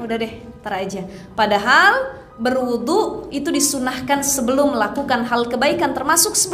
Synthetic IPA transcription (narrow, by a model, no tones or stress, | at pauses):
udahdɛht̪əɾad͡ʒapadaɦal | bərwud̪uʔit̪udisunahkansəbəlʊmːəlakukanɦalkəbaikant̪ərmasʊksəbə